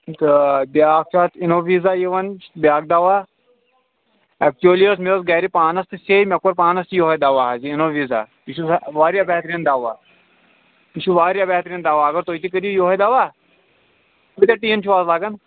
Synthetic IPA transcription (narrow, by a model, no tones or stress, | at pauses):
t̪ɨbʲjaːk̚t͡ʃʰaːt̪inoːʋiːzaːjiʋɐnt͡ʃbʲaːk̚d̪aːʋaː | ɛk̚t͡ʃuliəsmesɡaːɾipaːnɐst̪ɨsemʲɐkːɐɾpaːnɐst̪joːɦɐjd̪aːʋaːɦɐziinoːʋiːza̰ːp̪iʃusʋaːɾjaːbɛːɦt̪ɾind̪aːʋaː | p̪iʃuʋaːɾjaːbɛɦt̪ɾind̪aːʋaːɐɡɐɾt̪oːit̪ik̬ɐɾijujoɦɐd̪aːʋaː | t̪ut̪ɐʈiːnt͡ʃʰiʋaːzlaːɡɐn